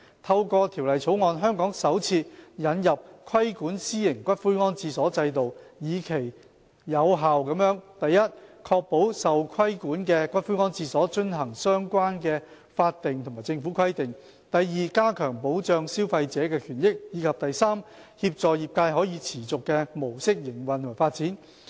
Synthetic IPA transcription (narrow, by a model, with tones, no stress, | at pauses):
t̪ʰɐ˧wkɔː˧t̪ʰi˨˩wlɐ˨jt͡sʰo˨˥wŋɔː˨nɦœː˥ŋkɔː˨˥ŋsɐ˨˥wt͡sʰiː˧t̚jɐ˨˧njɐ˨p̚kʰɐ˥jkuː˨˥nsiː˥jɪ˨˩ŋkʷɐ˥t̚fuː˥jŋɔː˥nt͡siː˧sɔː˨˥t͡sɐ˧jt̪o˨wjiː˨˧kʰe˨˩j | jɐ˨˧wɦaː˨wkɐ˨˥mjœː˨˥ŋt̪ɐ˨jːɐ˥t̚kʰɔː˧k̚po˨˥wsɐ˨wkʰwɐ˥jkuː˨˥nkɛː˧kʷɐ˥t̚fuː˥ŋɔː˥nt͡siː˧sɔː˨˥t͡ʃɵ˥nɦɐ˨˩ŋsœː˥ŋkʷaː˥nkɛː˧ | faː˧t̚t̪ɪ˨ŋt̪ʰmaː˨˩jt͡sɪ˧ŋfuː˨˥kʰɐ˥jt̪ɪ˨˩ŋ | t̪ɐ˨jːiː˨kaː˥kʰœː˨˩ŋpo˨˥wt͡ʃœː˧ŋsiː˥wfɐ˧jt͡sɛː˨˥kɛː˧kʰyː˨˩njɪ˥k̚jiː˨˧˥kʰɐ˨p̚t̪ɐ˨jsaː˥m | hiː˧p̚t͡sɔː˨jiː˨p̚kaː˧jɦɔː˨˥jiː˨˧t͡sʰiː˨˩t͡sʊ˨kːɛː˧mo˨˩wsɪ˥k̚jɪ˨˩ŋwɐ˨˩nt̪ʰːfaː˧t̚t͡siː˨˥n